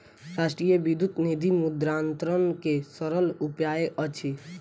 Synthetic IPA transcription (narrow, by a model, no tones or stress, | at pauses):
ɾaːʃʈɾijəbid̪ʱut̪nid̪ʱimud̪ɾaːnt̪ɾənkesəɾəlupjaːeʔət͡ʃʰi